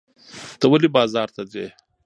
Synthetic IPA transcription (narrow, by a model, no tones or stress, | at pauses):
t̪əwalibɑːzɑːɾt̪ad̪weː